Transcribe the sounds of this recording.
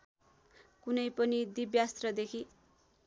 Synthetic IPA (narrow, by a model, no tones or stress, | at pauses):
kunʌjpʌnid̪ibjast̪rʌd̪ekʰi